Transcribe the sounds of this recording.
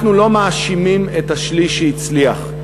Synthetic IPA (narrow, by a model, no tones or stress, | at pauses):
χnulo̞maːʃimimethaʃliʃeit͡sliaχ